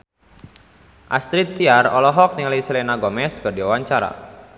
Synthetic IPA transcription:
ʔast̪ɾit̪ːiarɔlɔɦɔk̚niŋalisilenaɡɔmɛskərdiwawaɲt͡ʃaɾa̰

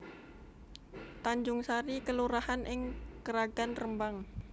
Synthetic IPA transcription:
t̪aɲd͡ʒʊŋsaɾikəluɾahanʔɪŋkəɾaɡanrəmbaŋ

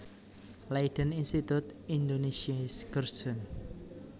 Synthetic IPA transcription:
laiɖ̥əninst̪it̪ut̪ind̪onesiasɡ̥ərsɔn

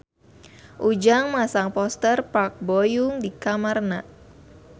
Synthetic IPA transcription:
ʔud͡ʒaŋmasaŋpɔst̪ərpak̚bojuŋdikamarnaʔ

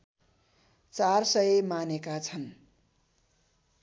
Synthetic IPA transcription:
t͡sarsʌjemanekat͡sʰʌn

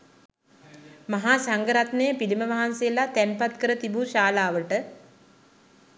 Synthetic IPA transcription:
maɦaːsaŋɡəɾat̪nəjəpiliməʋaɦansejəlat̪ænpat̪kəɾət̪ibuʃaːlaːʋəʈə

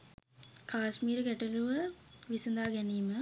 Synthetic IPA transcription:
kʰaːsmiːɾɐkɛʈɐluʋəʋisɐnd̪aːɡɛniːmə

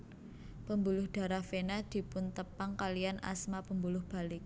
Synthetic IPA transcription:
pəmbulʊhɖ̥a̤ɾahfenad̪̥i̤pʊnt̪əpaŋkaliana̰smapəmbulʊhb̥a̤lɪk̚

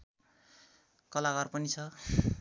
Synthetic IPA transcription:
kʌlakarpʌnit͡sʰʌ

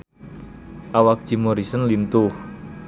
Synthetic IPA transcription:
ʔawak̚ʒ̥i̤mɔɾisənlint̪ʊh

